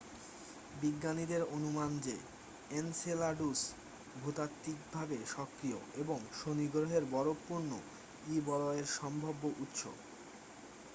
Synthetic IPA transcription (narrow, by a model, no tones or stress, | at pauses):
biɡːanid̪eɾonumand͡ʑe | enselaɖus | bʱot̪at̪ːik̚bʱabeʃɔkːɾio̰eboŋʃoniɡɾoɦeɾbɔɾopːuɾno | ibɔlɔeɾʃɔmbʱobːoʔut̪ːʃʰo̰